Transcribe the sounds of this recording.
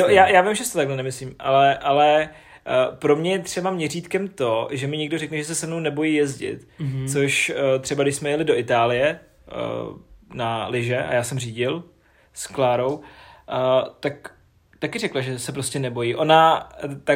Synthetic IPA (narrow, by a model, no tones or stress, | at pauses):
jojaːjaːvɪmʒɛsɪt̪ot̪aɡlɛnɛmɪsliːmʔa̰lɛʔalɛ | pɾo̞mɲɛjɛt̪r̝ɛbamɲɛriːt̪kɛmt̪o̞ʒɛmɪɲɪɡdo̞ɾɛknɛʒɛsɛsɛmno̞wnɛbo̞jiːjɛzɟɪ̰t̪t͡soʃt̪r̥ɛbaɡdɪʃsmɛjɛlɪdo̞ʔɪt̪aːlɪjɛ̰ | nalɪʒɛʔa̰jaːsɛmriːɟɪl | sklaːɾo̞w | t̪ak | t̪akɪɾɛklaʒɛsɛpɾoscɛnɛbo̞jiːʔo̞nat̪a